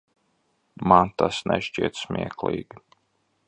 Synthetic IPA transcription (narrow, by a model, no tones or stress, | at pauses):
mant̪asnɛ̰ʃt͡ʃiɛt̪smʲḭɛklˠḭːɡʲi